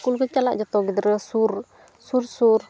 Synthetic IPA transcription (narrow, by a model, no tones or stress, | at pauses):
kulkət͡ʃalaʔd͡ʒat̪ɔɡid̪ɾəsur | sursur